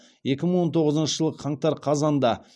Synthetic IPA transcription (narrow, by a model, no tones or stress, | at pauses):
je̞kʲɪməɴwo̞nt̪ʰo̞ʁəzənʃəʒəlˠʁəqʰɑɴt̪ɑɾqʰɑzɑnd̪ɑ